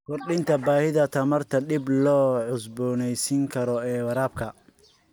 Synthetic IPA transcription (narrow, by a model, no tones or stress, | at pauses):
kʰɔrɗɪnt̪ʰɐbaːhɪðɐt̪ʰɐmɐrt̪ʰɐɗɪblɔːʕʊsbɔːnɛjsɪŋkʰɐɾɔɛːwɐɾaːb̚kʰɐ